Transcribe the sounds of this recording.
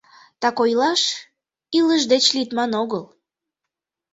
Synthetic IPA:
t̪ɑkojlɑʃ | iləʒd̪et͡ɕlit̪mɑnoɣəl

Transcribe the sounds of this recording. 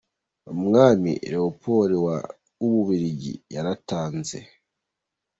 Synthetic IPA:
omŋaːmḭɾehopʰo̞ːɾiwa̰ | uβuβiɾiɟḭjaɾataːnze̞̰

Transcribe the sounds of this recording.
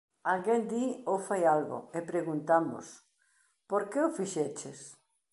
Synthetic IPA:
alɣend̪iofajalɣʊ̰epɾeɣunt̪amʊ̰s | poɾkeʊfiʃet͡ʃes

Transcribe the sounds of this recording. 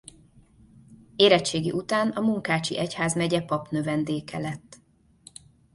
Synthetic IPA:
eːɾɛt͡ʃːeːɡḭʔut̪aːnɒmuŋkaːt͡ʃḭʔɛchaːzmɛɟɛpɒpnø̞vɛnd̪eːkɛ̰lɛt̪ː

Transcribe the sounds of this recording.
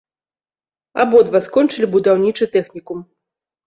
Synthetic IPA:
a̰bɔd̪vaskɔnt͡ʂɨlʲibud̪awnʲit͡ʂɨt̪ɛxnʲikum

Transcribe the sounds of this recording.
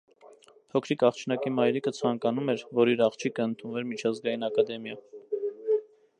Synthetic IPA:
hʰɔkʰɾikʰɑχt͡ʃʰnɑkimɑjɾikət͡sʰɑŋkɑnumɛɾvɔɾiɾɑχt͡ʃʰikʰəənt̪ʰunvɛɾmit͡ʃʰɑzɡɑjinɑkɑd̪ɛmjɑ

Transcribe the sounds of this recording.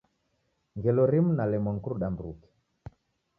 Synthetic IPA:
ŋɡɛlɔɾimunalɛmɔŋkuɾuɗambɾukɛ̥

